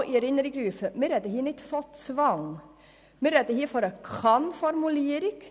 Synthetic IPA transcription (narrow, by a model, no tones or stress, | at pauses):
ʔiɛɾɪnəɾiɡɾʉːfəmɪɾɛd̪əhiːnɪt̪fɔt̪sʋɑŋ | mɪɾɛd̪əhiːfɔɾɑkʰɑnfɔɾmʉleːɾɪɡ